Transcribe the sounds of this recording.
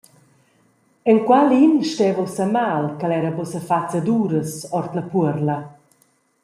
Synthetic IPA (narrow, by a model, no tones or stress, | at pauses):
ɛnkwalinʃtɛvɔsamaːlkalɛɾəbɔsəfat͡səd̪uːɾəsɔɾt̪ləpuəɾlə